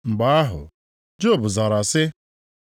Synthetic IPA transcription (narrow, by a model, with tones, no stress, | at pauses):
ŋ͡m̩˨ɡ͡ba˨˦a˦ɦʊ̰˨ | d͡ʒo˦˨bʊ˨za˨ɾa˨sɪ˦